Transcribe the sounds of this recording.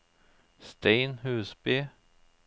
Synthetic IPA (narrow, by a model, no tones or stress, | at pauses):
st̪ʰeɪnhʉːsbeː